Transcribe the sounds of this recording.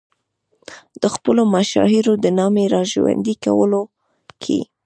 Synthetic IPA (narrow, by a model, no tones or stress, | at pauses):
d̪̥əxpəlomaʃɑ̰ɦiɾod̪ənɑmeɾɑʒwa̰nd̪ika̰wəlo | kʰḛ